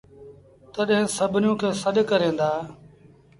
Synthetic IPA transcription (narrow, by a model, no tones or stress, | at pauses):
t̪əɗɦɪ̃səbʱnjũːkʰeːsəɗkəɾẽːnd̪aː